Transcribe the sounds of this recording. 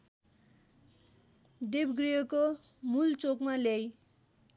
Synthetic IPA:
d̪ebɡrijʌko | mult͡sokmalej

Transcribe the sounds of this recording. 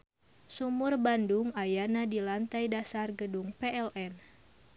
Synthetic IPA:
sumurbanduŋajanadilant̪ajdasarɡəduŋpɛɛlʔɛn

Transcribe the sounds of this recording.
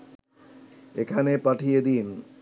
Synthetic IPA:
ekʰanepaʈʰijed̪in

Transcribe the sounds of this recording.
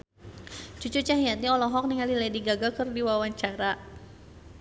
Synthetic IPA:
t͡ʃut͡ʃut͡ʃaɦijat̪iɔlɔɦɔk̚niŋaliladiɡaɡakərdiwawaɲt͡ʃaɾa

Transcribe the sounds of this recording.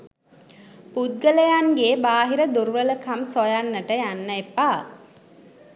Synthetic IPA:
pud̪̚ɡələjaŋɡeːbaːɦiɾəd̪uɾʋələkamsojanːəʈəjanːəepaː

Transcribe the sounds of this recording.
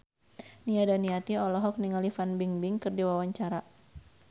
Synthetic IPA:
niadaniat̪iɔlɔɦɔk̚niŋalifanbiŋbɪŋkɨrdiwawaɲt͡ʃaɾa

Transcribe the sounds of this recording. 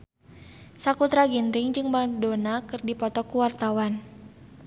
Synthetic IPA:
sakut̪ɾaɡinɾɪŋd͡ʒɨŋbandonakɨrdipɔt̪ɔkuwart̪awan

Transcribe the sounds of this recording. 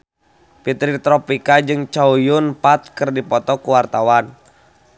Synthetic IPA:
pit̪ɾit̪ɾɔpikad͡ʒɨŋt͡ʃaujʊnpat̪̚kɨrdipɔt̪ɔkuwart̪awan

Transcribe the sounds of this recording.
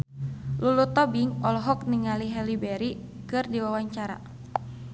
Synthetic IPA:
lulut̪ɔbiŋɔlɔɦɔk̚niŋaliɦɛlibɛɾi | kɨrdiwawaɲt͡ʃaɾa̰

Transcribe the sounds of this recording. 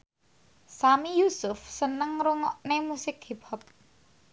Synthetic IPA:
samijusʊfsənəŋɾuŋɔʔnemusɪkhiphɔt̪̚

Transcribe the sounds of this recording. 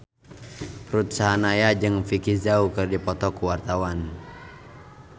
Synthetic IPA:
rut̪̚saɦanajad͡ʒɨŋfikizaukɨrdipɔt̪ɔkuwart̪awan

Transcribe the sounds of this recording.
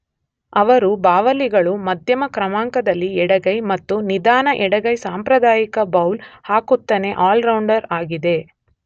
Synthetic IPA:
ɐʋɐɾubaːʋɐliɡɐɭumɐd̪ʱjɐmɐkɾɐmaːŋkɐd̪ɐlːiɛɽɐɡɐjmɐt̪ːunid̪aːnɐʔɛɽɐɡɐjsaːmpɾɐd̪aːjikɐbɐwlhaːkut̪ːɐne̞ʔaːlɾɐwɳɖɐɾaːɡid̪e̞

